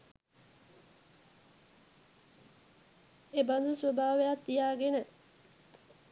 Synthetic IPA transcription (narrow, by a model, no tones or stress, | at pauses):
eband̪usʋobʱaːʋejat̪ːijaːɡenə